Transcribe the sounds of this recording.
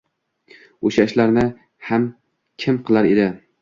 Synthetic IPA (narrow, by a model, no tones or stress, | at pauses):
oʃaʃlaɾnɪ | ham | kʲʰɪmqʰɨlˠaɾed̪ɪ